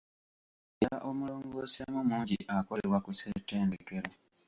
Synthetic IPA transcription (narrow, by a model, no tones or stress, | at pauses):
jaʔomuloːŋɡosiamumuːɲɟiʔakoleɾwakusete̞ːndeke̞ɾa